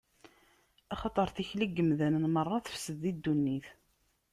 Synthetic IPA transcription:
ɑχɑt̪ˤəɾˤθiçliɡːəmðænənmərˤːɑθə̥fsəðːid̪ːunːiθ

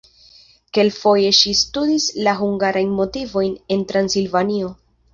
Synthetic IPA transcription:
ke̞lfo̞je̞ʃistudislaɦuŋɡaɾajnmo̞tivo̞jne̞ntɾansilvanio̞

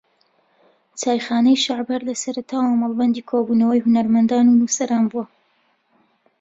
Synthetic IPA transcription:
t͡saːjxaːnɛjʃaʕbhɐɾlɐsɐɾɐt̪ʰaːwamɐlˠbɐnd̪iːkʰoːbuːnɐwɐjhunɐɾmɐnd̪aːnunusɐɾaːnbuwɐ

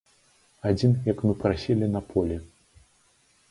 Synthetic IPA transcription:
ad͡zʲinjɐkmɨpɾasʲilʲinɐpʰɔlʲɛ

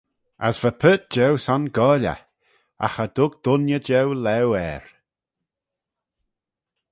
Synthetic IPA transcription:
asv̥əpʰəːt̚d͡ʒɛwsanɡɔːlʲə̰ | a̰xəd̪ʊɡ̚d̪̥ʊnjəd͡ʒɛwlɛwɛːɹ

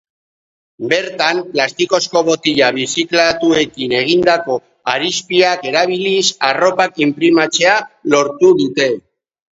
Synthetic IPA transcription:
be̞ɾt̪amplast̪iko̞sko̞βo̞t̪iʎaβisiklat̪ue̞kine̞ɣ̞ind̪ako̞ | aɾispiake̞ɾaβ̞ilisaro̞pakimpɾimat͡se̞alo̞ɾt̪uðut̪e̞

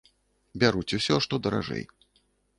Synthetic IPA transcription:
bʲaɾut͡sʲusʲɔʂt̪ɔd̪ɐɾa̰ʐɛ̰j

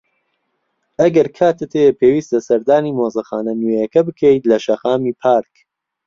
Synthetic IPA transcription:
ʔɐɡɐɾkʰaːt̪ɨt̪ʰejepʰeːwiːst̪ɐsɐɾd̪aːniːmoːzɐxaːnɐnwejɐkɐbɨkʰejt̪lɐʃɐxaːmiːpʰaːɾk

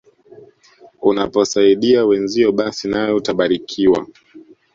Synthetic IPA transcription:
unapɔsaiɗiawɛnziɔɓasinajɔutaɓaɾikʰiwa̰

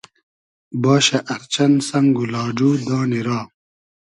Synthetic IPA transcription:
baːɕɐʔɐɾt͡ɕɐnsɐŋɡulaːd͡ʑuːd̪ãːniɾaː

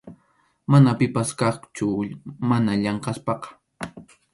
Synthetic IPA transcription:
manapɪpaskɑχt͡ʃʊmanaʎɑɴqɑspɑqɑ̥

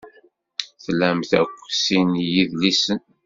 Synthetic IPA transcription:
θlæmθæ̰kʷːsinjiðlisən

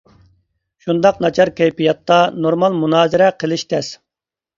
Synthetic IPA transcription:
ʃund̪ɑqnɑt͡ʃʰɑɾkʲʰɛjpijɑt̪ːɑnoɾmɑlˠmunɑːzɪɾɛqʰəlˠɪʃt̪ʰɛs

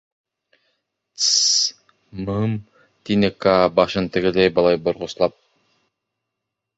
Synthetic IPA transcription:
mɯm | t̪inekabɑʃɯnt̪ɯɡɯd̪ejbɑlˠɑjboɾʁoslˠɑp̚

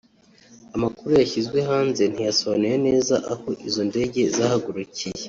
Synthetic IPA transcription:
amakuɾujaçizɡwe̞ɦaːnze̞n̥ijasoβanuje̞ne̞ːza̰ʔaho̞ʔizo̞nde̞ɟe̞zahaɡuɾucije

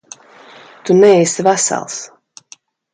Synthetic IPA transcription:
t̪unɛjsvæsa̰lˠs

